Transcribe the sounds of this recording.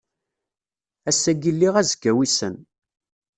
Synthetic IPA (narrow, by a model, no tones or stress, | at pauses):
æsːæɡilːiʁæzɡæwisən